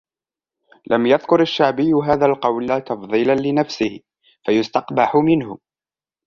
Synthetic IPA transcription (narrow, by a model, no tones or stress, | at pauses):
lʔamjaðkʊɾaʃːaʕbɪjːʊɦaːðaːlqɑwlt̪ɑfðˤiːlanlɪnafsɪhɪ | fajʊst̪ɑqbaħʊmɪnhʊ